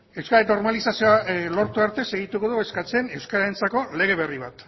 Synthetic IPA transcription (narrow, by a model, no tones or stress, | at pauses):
e̞wskaɾeno̞ɾmalisasioalo̞ɾt̪uaɾt̪e̞se̞ɣ̞it̪uko̞ðue̞skat͡se̞ne̞wskaɾaent͡sako̞le̞ɣ̞e̞β̞e̞riβ̞at̪